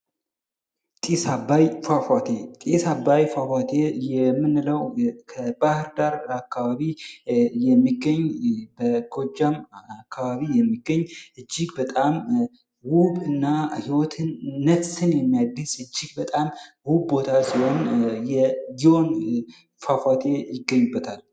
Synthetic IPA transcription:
t̪ʼisabajfafat̪ʰet̪ʼisabːajfafat̪ʰejɛmːɨnləwkʰəbahɨɾd̪aɾakːaβaβijɛmːiɡəɲːbəɡo̞d͡ʒamakːaβaβijɛmːiɡəɲːʔɨd͡ʒːiɡbət̪ʼam | wubɨnːahiwɔt̪ʰɨːəfsɨnjɛmːijad̪ɨsɨd͡ʒːiɡbət̪ʼam | wubbo̞t̪ʰasiho̞njɛɡiho̞n | fafʷat̪ʰe̞jɪɡːəɲːubːət̪ʰal

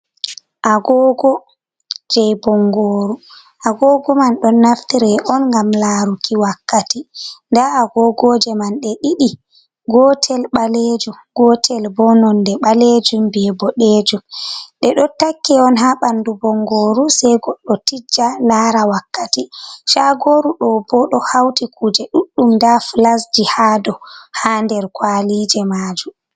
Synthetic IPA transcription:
ʔaɡɔɡɔ | d͡ʒɛjbɔŋɡoːɾu | ʔaɡɔɡɔmanɗɔnːaftiɾɛʔɔnŋɡamlaɾukʰiwakːatindaaɡɔɡɔd͡ʒɛmanɗɛɗiɗi | ɡɔtʰɛlɓaled͡ʒuɡ̥ɔtʰɛlbɔnɔndɛɓaled͡ʒumbɛbɔɗeːd͡ʒumɗɛɗɔtakːɛɔnɦaɓandubɔŋɡoːɾusɛjɡɔɗːɔtid͡ʒːalaɾawakːatiʃaɡoːɾuɗɔbɔɗɔhawtikʰuːd͡ʒɛɗuɗːumdaflasd͡ʒihaːdɔhandɛɾkwalid͡ʒɛmaːd͡ʒum

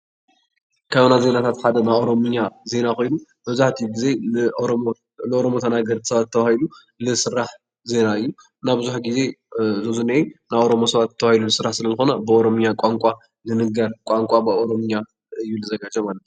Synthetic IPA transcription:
kʰaβnaze̞nat̪ʰat̪ħad̪ɐnaʔoɾo̞mɨɲːaze̞nako̞jnubɐβzaħt̪ʰiɡize̞ | lɨoɾo̞mot̪ʰɐnaɡɐɾt̪ʰi̥sɐβat̪ʰːɐβahilu | lɨsɨɾːaħ | ze̞naɨjːu | nabɨzuħɡize̞zozɨniʔenaʔoɾo̞mosɐβat̪ʰːɐβahilulɨsɨɾːaħsɨlɐzɨxo̞nɐbɨoɾo̞mɨɲːakʷʼaŋkʼa | lɨnɨɡɐɾkʷʼaŋkʷʼabɨʔoɾomɨɲa | ɨjːulɨzɐɡad͡ʒɐmalɐt̪

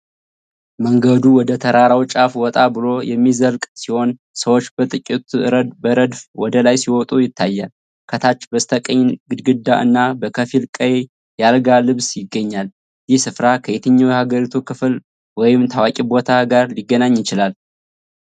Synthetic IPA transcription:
məŋɡəd̪uwɔd̪ət̪ʰəɾaɾawt͡ʃʼafwɔt̪ʼabɨlo̞jɛmːizəlkʼsiho̞n | səwot͡ʃːbət̪ʼɨkʼɪt̪ɨɾəd̪bəɾəd̪fwɔd̪əlajsiwɔt̪ʼujɪt̪ʰːajːal | kʰət̪ʰat͡ʃːbəst̪ʰəkʼəɲnɡɨd̪ɡɨd̪ːa̰ʔɨ̰nːabəkʰəfilkʼəje | jalɡalɨβsjɪɡːəɲːal | d̪ihsɨfɾakʰəjet̪ʰɨɲːawhaɡəɾit̪ʰukʰɨfl | wɔjɪmt̪ʰawakʼibo̞t̪ʰaɡaɾliɡːənaɲːjɪt͡ʃɪlal

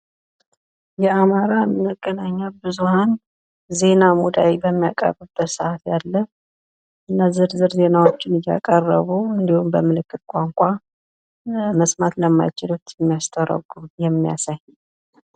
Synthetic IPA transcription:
jɛamaɾamɨnəɡːənaɲːabɨzuhan | ze̞namud̪a̰wibəmːija̰kʼə̰rɨbət̪səʔat̪jalːəh | ʔɨnːazɨɾzɨɾze̞nawo̞t͡ʃːɪnɨja̰kʼərːə̰βuɨnd̪ihumbəmɨlɨkːɨt̪̚kʷʼaŋkʷʼa | məsmat̪ləmːa̰jt͡ʃɪlut̪jɛmːijast̪ʰəɾə̰ɡujɛmːija̰saj

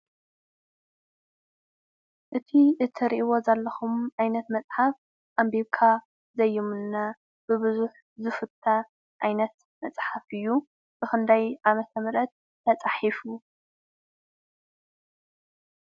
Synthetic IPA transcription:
ʔɨt̪ʰiʔɨt̪ʰːɐɾʔiwozalːɐxumʕajnɐt̪mɐt͡sʼħaf | ʔambiβkʰa | zɐjːɨmɨnːa | b̥ɨβɨzuħ | zɨfɨt̪ʰːɐ | ʕajnɐt̪ | mɐt͡sʼħafɨjːu | b̥ɨxɨnd̪ʰajʔamɐt̪ʰɐmɾɐt̪̚ːɐt͡sʼaħifu

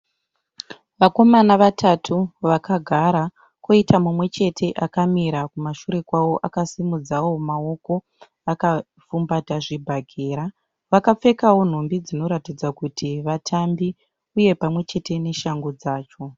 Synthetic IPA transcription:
ʋako̞manaʋatʰatʰuʋakaɡʱaɾa | koitamumwe̞t͡ʃe̞tʰe̞ʔakamiɾakumaʃuɾe̞kwawo̞ʔakasimud͡zawo̞mao̞ko̞ | aka | fumbataʐibʱaɡʱeːɾa | ʋakap͡fe̞kawo̞n̤o̞mbid͡zino̞ɾatid͡zakutʰiʋatʰambi | uje̞pamwe̞t͡ʃe̞te̞ne̞ʃaŋɡod͡zaːt͡ʃo̞

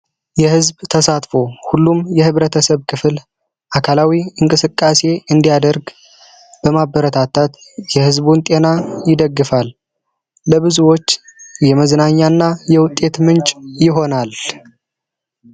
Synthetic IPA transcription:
jɛhɨzbt̪ʰəsat̪fo̞hulːumjɛhɨβɾət̪ʰəsəβkʰɨfɨl | ʔakʰalawiɨŋkʼɨsɨkʼːase̞ɨnd̪ijad̪əɾɡ | b̥əmabəɾət̪ʰat̪ʰat̪jɛhɨzbunt̪ʼe̞najɪd̪əɡːɨfalː | əβɨzuwo̞t͡ʃːjɛməznaɲːanːajɛwʊt̪ʼːe̞t̪mɨnt͡ʃʼjɪɦo̞nal

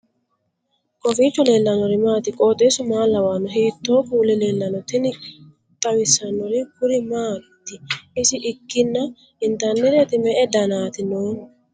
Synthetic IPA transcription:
kʼɔfiːt͡ʃːɔle̞ːlːɐnɔɾɪmaːt̪ɪkʼoːt̪ʼːesʊmaːlːɐwaːnːɔɦiːt̪ːoːkuːlɛleːlːɐnɔt̪ɪnɪ | t̪ʼɐwɪsɐnɔɾɪkʊɾɪmaː | t̪ːɪɪsɪʔɪkːɪnːɐ | ɪnt̪ɐnːɪɾɛt̪ɪmɛʔɛd̪ɐnaːt̪ɪnoːn

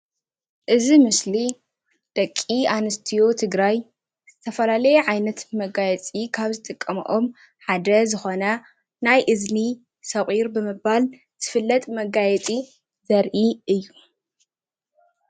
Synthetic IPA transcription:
ʔɨzimɨsli | d̪̥ɐkʼːianɨst̪ʰijot̪ʰɨɡɾaj | z̥ɨt̪ʰɐfɐlalɐjɛʕajnɐt̪mɐɡajɛt͡sʼikʰaβzɨt̪ʼɨkʼːɐm̰ʔom | ħad̪ɐzɨxo̞nɐ | najʔɨzni | sɐχʼiɾbɨmɨbal | z̥ɨfɨlːɐt̪ʼmɐɡajɛt͡sʼi | zɐɾʔiɨjːu

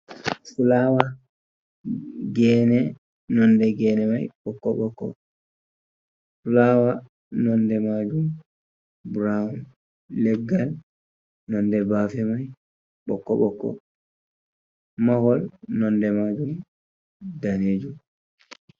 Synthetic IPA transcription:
fulawa | ɡɛːnɛ | nɔndɛɡɛːnɛma̰jɓɔkːɔɓɔkːɔ̰ | fulawa | nɔndɛmad͡ʒum | bɾaun | lɛɡːal | nɔndɛbafɛmaj | ɓɔkːɔɓɔkːɔ̰ | mahɔlnɔndɛmad͡ʒum | daned͡ʒum

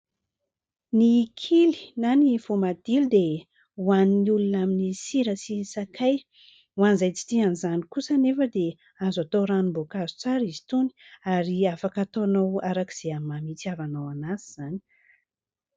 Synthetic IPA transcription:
nikʰili̥naniv̥omad̪ilud̪e | wanːulunaminisiɾəsisakʰaj | wanizajt͡si̥t̪ianizanikusanefəd̪e | azat̪oɾanimbokazu̥t͡saɾizi̥t̪uni̥aɾiafakat̪oanawaɾakiz̥eamamit͡siavanawanasiz̥ani̥

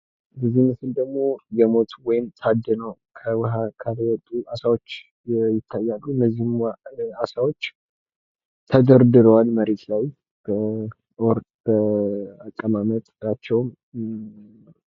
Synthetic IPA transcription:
bəzihmɨsɨld̪əɡmo̞jɛmo̞t̪wɔjɪmt̪ʰad̪ənəw | kʰəwəɦakʰaɾwɔt̪ʼːuʔasawo̞t͡ʃː | ɛjɪt̪ʰːajːalːuɨnːəzːihɨmwasawot͡ʃː | t̪ʰəd̪əɾd̪ɨɾəwalməɾe̞t̪ʰlaj | b̥ə | oɾ | b̥əakʼːəmamət̪ʼat͡ʃːɛwm

